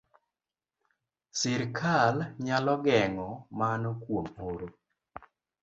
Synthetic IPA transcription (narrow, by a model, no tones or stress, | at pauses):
sɪɾkʰalɲalɔɡɛŋɔmanɔkwomoɾo